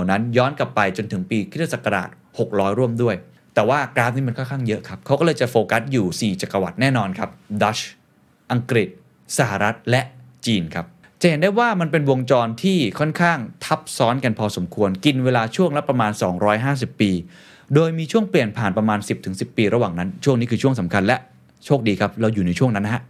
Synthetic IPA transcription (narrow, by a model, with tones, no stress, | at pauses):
a˨˩wna˦˥njɔː˦˥nka˨˩pːa˧jt͡ɕo˧nt̪ʰɯ˩˦ŋpiː˧k̪ʰːa˧˩sa˨˩kːa˧ɾa̰ː˨˩t̪̚ho˨˩k̚ɾɔː˦˥jɾu˥˩əmdu˥˩əj | t̪ɛː˨˩waː˥˩kɾaː˦˥niː˦˥ma˧nkʰnkʰaː˥˩ŋjɤ˦˥ʔkʰa˦˥p̚kʰa˦˥wkɔː˥˩lɤː˧jt͡ɕa˨˩foː˧ka˦˥juː˨˩siː˨˩t͡ɕa˨˩kːa˧wa̰˨˩t̪̚nɛː˥˩nɔː˧nkʰa˦˥p̚da˦˥t͡ɕ | ʔa˧ŋkɾi˨˩t̪̚ | sa˧˩ha˨˩ɾa˦˥t̪̚lɛ˦˥ʔt͡ɕiː˧nkʰa˦˥p̚ | t͡ɕa˨˩he˩˦ndaː˥˩jwaː˥˩ma˧np̬e˧nwo˧ŋt͡ɕɔː˧nt̪ʰiː˥˩kʰɔ˥˩nkʰaː˥˩ŋt̪ʰa˦˥p̚sɔː˦˥nka˧npʰɔː˧so˩˦mkʰu˧ənki˧nweː˧laː˧t͡ɕʰu˥˩əŋlɛ˦˥pɾa˧maː˧nsɔː˩˦ŋɾɔː˦˥jɦaː˥˩s̬i˨˩pːiː˧ | doː˧jmiː˧t͡ɕʰu˥˩ŋpli˨˩ənpʰaː˨˩npɾa˧maː˧nsi˨˩p̚t̪ʰɯ˩˦ŋsi˨˩pːiː˧ɾa˧waː˨˩ŋna˦˥nt͡ɕʰu˥˩əŋniː˦˥kʰɯː˧t͡ɕʰu˥˩əŋsa˩˦mkʰa˧nlɛ˦˥ʔ | t͡ɕʰoː˥˩k̚diː˧kʰa˦˥p̚ɾa˧wjuː˨˩na˧jt͡ɕʰu˥˩ŋna˦˥nːa˥ɦa˦˥ʔ